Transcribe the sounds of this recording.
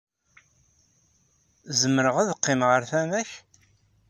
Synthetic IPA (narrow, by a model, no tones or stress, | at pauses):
zəmːəɾəʁæðəqːɪmʁəɾθæmæç